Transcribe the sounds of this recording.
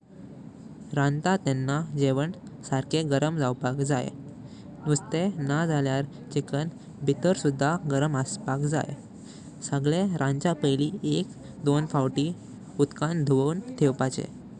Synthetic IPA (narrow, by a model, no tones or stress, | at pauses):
ɾãnt̪at̪ɛnːad͡ʑeʋəɳsaɾkeɡəɾəmd͡zawpakd͡zaj̰ | nust̪enad͡zaljaɾ | t͡ɕikən | bʱit̪əɾsud̪ʱːaɡəɾəməspakd͡za̰j̰ | səɡɭeɾʔãnt͡ɕapəjliːek | d̪onfawʈi | ut̪kãnd̪ʱʋənt̪ʰewpat͡ɕḛ